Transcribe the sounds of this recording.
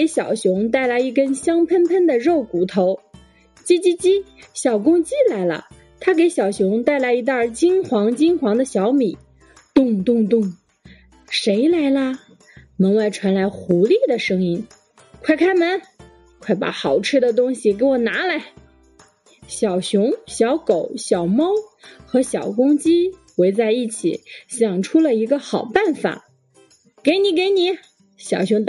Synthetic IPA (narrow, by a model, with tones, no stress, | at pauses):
ke˧˥ɪɕjɑ̰˨˩ʊɕjʊ˧˥ŋt̪̬a˥˩ɪla˧˥ɪi˥˩kə˥nɕjɑ˥ŋpʰə˥npʰə˥nd̪ə˨ɻo˥˩ʊku˨˩t̪ʰo˧˥ʊ | t͡ɕi˥t͡ɕi˥t͡ɕi˥ɕjɑ˨˩ʊkʊ˥ŋt͡ɕi˥la˧˥ɪlə̰˧ | t̪ʰa˥k̬e˧˥ɪɕjɑ˨˩ʊɕjʊ˧˥ŋt̪a˥˩ɪla˧˥ɪi˧˥t̪ə˞˥˩t͡ɕi˥nxwɑ˧˥ŋt͡ɕi˥nxwɑ˧˥ŋd̪ə˧ɕjɑ˧˥ʊmi˨˩˦ | t̪ʊ˥˧ŋt̪ʊ˥˧ŋt̪ʊ˥˩ŋ | ʂe˧˥ɪla˧˥ɪlə˧ | mɤ˧˥ŋwa˥˩ɪʈ͡ʂʰwa˧˥nla˧˥ɪxu˧˥li˥˩d̪ə˩ʂɤ˥ŋi˥n | kʰwa˥˧ɪkʰa˥ɪmə˧˥n | kʰwa˥˩ɪpa̰˧˩xɑ˨˩ʊʈ͡ʂ̩ʰ˥d̪ə˨t̪̬ʊ˥ŋɕi˨˩ke˧˥ɪwɔ˨˩na˧˥la˧˥ɪ | ɕjɑ˨˩ʊɕjʊ˧˥ŋɕjɑ˧˥ʊko˨˩ʊɕjɑ˨˩ʊmɑ˥ʊxɤ˧˥ɕjɑ˨˩ʊkʊ˥ŋt͡ɕi˥xwe˧˥ɪt͡sa˥˧ɪi˥˩t͡ɕʰḭ˨˩˦ɕjɑ˨˩ŋʈ͡ʂʰu˥lə˨i˧˥ɡə˧xɑ˨˩ʊpa˥˩nfa̰˨˩˦ | ke˧˥ɪni˨˧˥k̬e˧˥ɪni˨˧˥ | ɕjɑ˨˩ʊɕjʊ˧˥ŋ